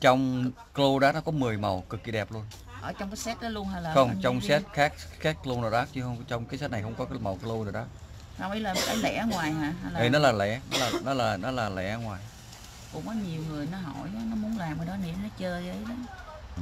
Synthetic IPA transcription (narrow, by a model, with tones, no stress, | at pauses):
t͡ɕɔ˧wŋ͡m | klo˧ɗaː˦˥nɔ˨˦kɔ˨˦mɨ˨˩əjmə˨˩wkɨ˨˩kːi˨˩ɗɛ˨˩p̚lu˧ən | ʔəː˧˩˦t͡ɕɔ˧wŋ͡mkaː˨˦sɛ˦˥t̚ɗɔ˨˦lu˧ənha˧laː˨˩xɔ˧wŋ͡mt͡ɕɔ˧wŋ͡msɛ˦˥t̚xaː˦˥k̚xɛː˦˥k̚klo˧na˨˩ɗa˨˦˥t͡ɕɨ˧hə˧wt͡ɕɔ˧wŋ͡mkaː˨˦sɛ˦˥t̚na˨˩jxə˧wŋ͡mkɔ˨˦ma˨˩wklo˧na˨˩ɗɔ˨˦˥ | saː˨˩wʔə˨˦jlaː˨˩˨kaː˨˦lɛ̰˧˥a˨˦ŋwaː˨˩jɦaː˨˩ɦa˧jlːə˨˦nɔ˨˦laː˨˩lɛ̰˧˩nɔ̰˨˦laː˨˩nɔ˨˦laː˨˩nɔ˨˦laː˨˩lɛ̰˧˩ʔŋwaː˨˩j | kʊ̰˧˥ŋ͡mkɔ˨˦ɲi˨˩əwŋɨ˨˩əjnɔ˨˦ɦɔ̰˧˩ja˨˦nɔ˨˦mu˨˦ənlaː˨˩mɨː˨˩jɗɔ˨˦ni˨˦nɔ˨˦t͡ɕəː˧ə˧˨˧ə˨˦jɗɔ˨˦˨